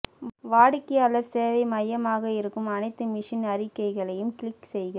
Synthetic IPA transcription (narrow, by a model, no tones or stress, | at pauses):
ʋaːɽɪkːɪjaːlɐɾseːʋɐɪmɐjɐmaːɣɐɪɾɯkːɯmɐnɐɪt̪ːɯmɪʂɐnɐɾɪkːɐɪɣɐɭɐjɯmkɪlɪksɛjɣɐ